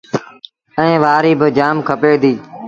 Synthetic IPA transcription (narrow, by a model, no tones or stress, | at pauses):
ɛ̃ẽːʋaːɾiːbɪd͡ʒaːmkʰəpeːd̪iː